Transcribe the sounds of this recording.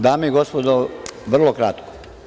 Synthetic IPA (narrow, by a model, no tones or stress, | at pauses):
d̪aːmejiɡospod̪oʋr̩lˠokɾat̪ko̥